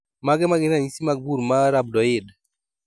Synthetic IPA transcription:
maɡɛmaɡɪnaɲisimaɡbuɾmaɾab̚dɔɪd

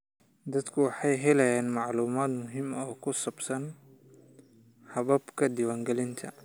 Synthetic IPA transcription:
d̪ɐd̪kʰʊwɑħɑjɦɛlɛjaːnmɑʕluːmaːd̪mʊɦimɔːkʰʊsɐbsɐn | hɐβɐbkʰɐd̪ɪwaːŋɡɛlɪnt̪ʰɐ

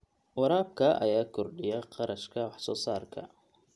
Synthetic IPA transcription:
wɑɾaːb̚kʰɐʔɐ̰jaːkʰɔrɖɪjɐqɑɾɐʃkʰɐwɑħsɔːsaːrkʰɐ̰

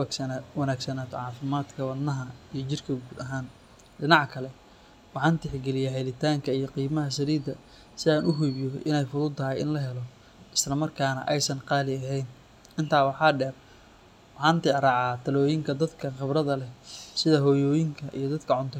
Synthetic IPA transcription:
sɐwɐnaːɡsɐnaːt̪ʰɔ̰ʕɑːfɪmaːd̪kʰɐwɐnːɐɦɐijɞt͡ʃɪrkʰɐɡuːd̪ɐɦaːn | ɖɪnɑʕkʰɐlɛ | wɑħɑːnt̪ɪħɡɛlɪjaɦɛlɪt̪ʰaːŋkʰɐijɞqiːmɐɦɐs̬ɐɾiːd̪ɐ | sɪaːnʊɦʊbjɔʔɪ̰nɛjfʊðʊːd̪t̪ʰːɐɦɛjɪ̰nlɐɦɛlɔ | ʔɪslɐmɐrkʰaːnɐ̰ʔɛjsɐnqɑːlɪɐɦɛjn | ʔɪnt̪ʰaːwɑħɑːɖɛːr | wħɑːnt̪ɪɾɑʕɑːt̪ʰɐlɔːjɪŋkʰɐd̪ɐd̪kʰɐχɪbrɐðɐlɛsɪðɐɦɔːjɔːjɪŋkʰɐʔḭjɞd̪ɐd̪kʰɐʕʊnt̪ʰɔ

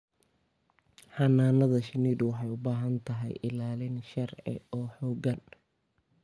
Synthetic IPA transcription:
ħɑnaːnɐðɐʃɪniːd̪wɑħɑjʊbaːɦɐnt̪ʰɐɦɛ̰jɪ̰laːlɪnʃɐrʕɪ̰ɔːħɔːɡɐn

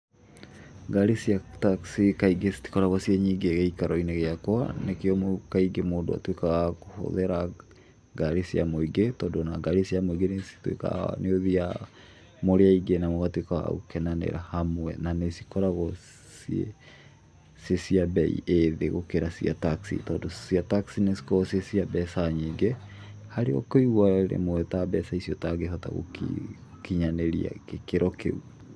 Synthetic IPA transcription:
ɡaɾesiataksikaiɡesi̥ti̥kɔɾaɣɔsiɛɲiːɡeɣeikaɾɔineɣeakwanekeɔmokaiɡemoːndo̰a̰twekaɣakoho̰ðɛɾa | ɡaɾesia̰moiɡetɔːndɔnaɡaɾesiamoiɡenesi̥twḛka̰neoðia | moɾeaiɡenamoɣatwekawa̰ɣo̰kɛnanɛ̰ɾahamoɛ̰nanesikɔɾaɣɔ | siḛ | sesiabɛḭʔeðeɣokeɾasiataksḭtɔːndosiataksinesi̥kɔsesiabɛsaɲiɡe | haɾeɔ̰koiɣwaɾḛmoɛtabɛsaisiɔtaɡeɦɔta̰ɣo̰kḭ | kiɲaneɾia̰kekeɾɔkʰḛu

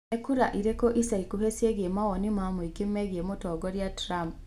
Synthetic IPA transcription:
ekuɾaʔiɾekoʔisaikuβesjeɡiemawonimamuiɡimeɡiemutoɡoɾjatɾamp

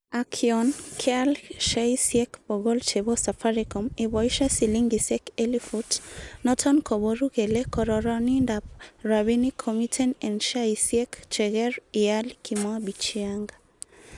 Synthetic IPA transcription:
akʰiɔnkʰɛalʃaisiɛkbɔɣɔlt͡ʃebɔsafaɾikɔmebɔiʃasiliŋɡisɛkelifutnɔtʰɔnkʰɔboɾuɣelekɔɾɔɾɔnindap̚raβinikʰɔmitʰɛnɛnʃaisiɛkt͡ʃɛɣɛɹialkʰimabit͡ʃiaŋɡa

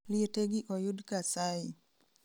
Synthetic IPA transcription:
lieteɡiʔɔjudkasai

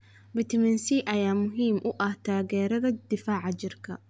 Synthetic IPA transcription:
bɪt̪ʰɐmɛnsiʔɐjaːmʊɦiːmʔʊʔɐht̪ʰaːɣɛːɾɐðɐd̪̥ɪfaːʕɑt͡ʃɪrkʰɐ̰

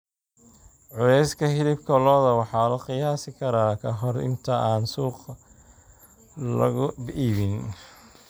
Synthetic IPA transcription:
ʕʊlɛjskʰɐɦɪlɪb̚kʰɐlɔːðɐwɑħɑːlɐqɪjaːsɪkʰɐɾaːkʰɐɦɔrɪ̰nt̪ʰɐʔaːnsuːq | lɐ̰ɣʊbʔiːβɪn

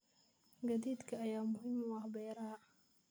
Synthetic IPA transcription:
ɡɐðiːd̪kʰɐɐjaːmʊɦiːmʊɐhbɛːɾɐhɐ

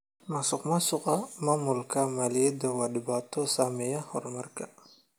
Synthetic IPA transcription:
mɐsʊqmɐsʊqɐmaːmulkʰamalɪjɛd̪ɐwaːɗɪbaːt̪ʰɔsaːmɛjɐhɔrmɐrkʰɐ

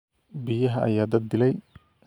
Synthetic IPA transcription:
bɪjɐɦɐʔɐ̰jaːd̪ɐd̪̚d̪ɪlɛj

